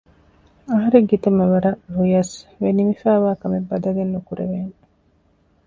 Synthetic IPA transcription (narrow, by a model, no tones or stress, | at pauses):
ɐɦɐɾeɡɡit̪umɐʋɐɾɐʔɾujɐsʋenimifæːʋaːkɐmebːɐd̪ɐɡenːukuɾḛʋeːŋ